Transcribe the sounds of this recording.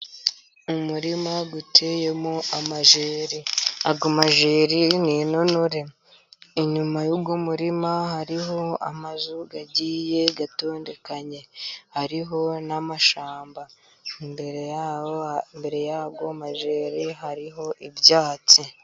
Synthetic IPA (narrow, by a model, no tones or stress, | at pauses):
umuɾimaɡutʰe̞je̞moamaʒeːɾiaɡomaʒeːɾininonoɾe̞ | iɲumajuːbɡomuɾimahaɾiɦo̞a̰mazuɡaɟiːje̞ɡato̞ːnde̞kaɲe̞haɾiɦo̞namaʃaːmba | imbeɾ | mbe̞ɾe̞jaːbɡomaʒeːɾiɦaɾiɦo̞ʔibjaːt͡si